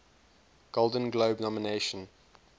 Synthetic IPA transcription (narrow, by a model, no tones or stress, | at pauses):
ɡ̥olˠdə̃nɡloʊbnɔməneɪʃə̃n